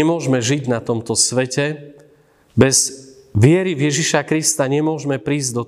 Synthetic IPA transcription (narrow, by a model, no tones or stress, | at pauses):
ɛmʊɔʒmɛʒiɟnat̪ɔmt̪ɔsʋɛcɛ | bɛz̥ | ʋɪɛɾivjɛʒiʃakɾist̪aɲɛmʊɔʒmɛpɾiːzd̪ɔ